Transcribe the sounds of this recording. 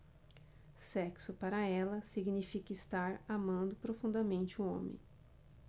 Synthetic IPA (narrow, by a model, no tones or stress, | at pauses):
sɛksʊpaɾɐɛlɐsiɡnifikɐist̪aɾamɐ̃nd̪ʊpɾofũd̪ɐmẽnt͡ʃɪʊõ̰mḛ̃j̃